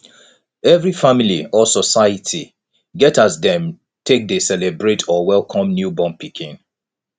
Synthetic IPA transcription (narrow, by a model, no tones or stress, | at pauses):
ɛvɹifamiliɔsɔsaɪjətʰi | ɡɛtasdɛ̃m | tʰek̚desɛlebɹetʰɔwɛlˠkʰɔ̃mnjubɔ̃mpikʰĩn